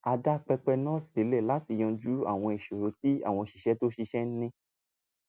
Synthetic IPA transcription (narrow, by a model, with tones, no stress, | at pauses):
a˧da˦k͡pɛ˧k͡pɛ˧nãː˦se˨˦le˦˨la˨˦ti˧j̃ɔ̃˧d͡ʒu˦a̰˦˨w̃ɔ̃˧e˨ʃo˨ɾo˨˦ti˦a̰˦˨w̃ɔ̃˧˨ʃi˧ʃɛ˦to˦ʃi˧ʃɛ˦n̩˦nĩ˧˦